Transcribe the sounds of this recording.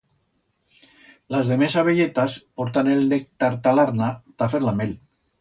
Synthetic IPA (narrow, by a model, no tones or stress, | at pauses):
lazðemesaβeʎet̪aspɔɾt̪aneld̪ek̚t̪aɾt̪alaɾnat̪afeɾlamel